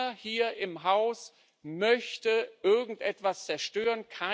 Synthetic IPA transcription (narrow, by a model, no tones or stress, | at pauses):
ɐhiːɐʔɪmɦaʊs | mœçtəʔɪɐɡŋ̩tʔɛtv̥ast͡sɛɐʃtøːʁənkʰa